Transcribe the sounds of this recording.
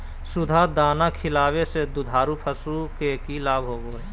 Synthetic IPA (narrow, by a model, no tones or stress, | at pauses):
sʊd̪ʱad̪aːnakʰɪlaːwesed̪ʊd̪ʱaːɾupʰəsukekilaːbɦoːɡoɦɛː